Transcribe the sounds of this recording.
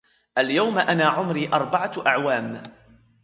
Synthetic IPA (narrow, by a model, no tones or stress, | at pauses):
ʔaljawmʔanaːʕʊmɾiːʔɑɾˤbaʕaʔaʕwaːm